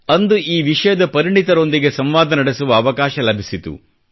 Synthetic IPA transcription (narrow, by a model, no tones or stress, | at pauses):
ɐnd̪uʔiːʋiʂɐjɐd̪ɐpɐɾiɳit̪ɐɾo̞nd̪iɡe̞sɐmʋaːd̪ɐnɐɽesuʋɐːʋɐkaːʃɐlɐbʱisit̪ṵ